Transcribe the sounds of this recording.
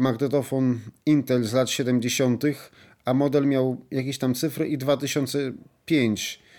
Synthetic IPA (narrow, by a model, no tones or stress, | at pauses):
maɡnɛt̪ɔfɔnint̪ɛlzlat̪ɕɛd̪ɛmd͡ʑeɕɔnt̪ɘx | amɔd̪ɛlmʲjawjak̬ʲeɕt̪amt̪sɘfɾɘʔid̪vat̪ɘɕɔnt̪sɛpʲjeɲt͡ɕ